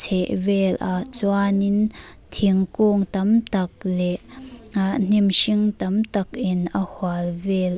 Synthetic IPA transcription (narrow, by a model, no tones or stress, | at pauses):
t͡sʰɛʔvɛlʔaʔt͡swanɪnt̪ʰiŋkoŋt̪ɐmt̪ɐk̚lɛʔan̥imʃiŋt̪ɐmt̪ɐk̚ʔɪnʔɐhwalvɛl